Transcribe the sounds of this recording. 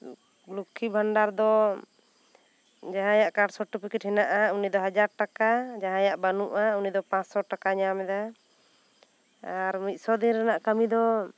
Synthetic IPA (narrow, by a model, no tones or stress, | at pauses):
lukʰːibʱaɳɖaɾd̪ɔ | d͡ʒaɦãjaʔkaɖsɔʈːupikiʈ̚hɛnaʔaunid̪ɔɦad͡ʒaɾʈakad͡ʒaɦãjaʔbanuʔaunid̪ɔpãsɔʈakaɲamɛd̪a | aɾmit̪̚ˀsɔd̪iɾanaʔkamid̪ɔ